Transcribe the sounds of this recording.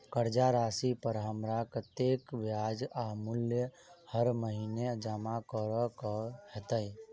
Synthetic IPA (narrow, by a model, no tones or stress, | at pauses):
kəɾd͡ʒaɾaːsipəɾɦəmɾakət̪ekbjad͡ʒaɦmuljə | həɾməɦined͡ʒəmakəɾəkɔhət̪əj